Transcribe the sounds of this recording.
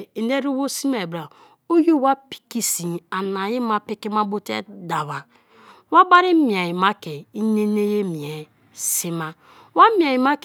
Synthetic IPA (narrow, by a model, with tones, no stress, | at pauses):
i˨ne˦ɾu˦wo˦si˦m˦a˨bɾa˨ | o˦ju˦wa˦pi̥˦ki˦si˨a˨na˨ji˦ma˦pi˦ki˦ma˦bo˦tḛ˦da˨βa˨ | wa˦ba˦ɾi˦mi˨a˨ji˨ma˦ke˨i˦ne˦ne˦je˦mi˨e˨ | si˦ma˦ | wa˦m˦˨a˨ji˨ma˦k